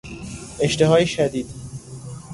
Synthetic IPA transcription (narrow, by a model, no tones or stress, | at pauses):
eʃt̪eɦɒːjeʃæd̪iːd̪̥